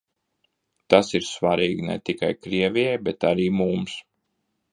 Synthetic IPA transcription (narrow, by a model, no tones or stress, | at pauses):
t̪asiɾsvaɾiːɡnɛ̰t̪ikajkɾiɛvʲijɛjbɛt̪aɾiːmums